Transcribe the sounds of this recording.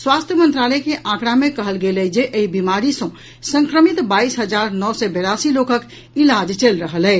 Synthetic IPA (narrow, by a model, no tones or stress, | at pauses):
swast̪ʰjəmə̃nt̪ɾalɛkeʔãkɽamekəɦəlɡelɛd͡ʒeʔəibimaɾisə̃ | sə̃ŋkɾəmit̪baisɦəd͡ʒaɾnɔsɛbeɾasilokək | ilad͡ʒt͡ʃelɾəɦəlɛ